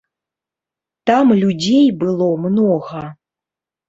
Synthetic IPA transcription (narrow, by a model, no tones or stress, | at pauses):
t̪amlʲud͡zʲejbɨlˠɔmnɔɣɐ